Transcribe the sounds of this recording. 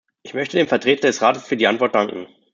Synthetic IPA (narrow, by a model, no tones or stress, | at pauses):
ʔɪçmœçtədeːmfɛɐtʁ̥eːtɐdɛsʁaːtəsfyːɐdiːʔantv̥ɔɐt̚d̥aŋkŋ̩